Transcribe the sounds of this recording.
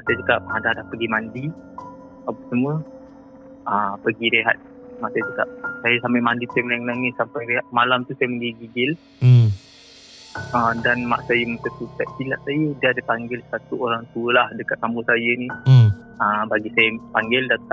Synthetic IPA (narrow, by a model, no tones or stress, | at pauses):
masad͡ʒukap̚adahdahpəɡimandi | apəsəmuə | əpəɡiɾeɦat̪̚masəd͡ʒəkap̚sajəsampajmandip̪ɛmlaŋlaŋɪt̪̚sampajɾeɦat̪̚malamt̪usajəməɡiɡiɡɪl | əmdanma̰ʔsajəməsət̪ut̪aʔ̪̚silaʔsajədəadəpaŋɡɪlsat̪uoɾaŋt̪uəlahdəkat̪̚sambusajəni | əbaɡisajəpaŋɡɪldat̪aʔ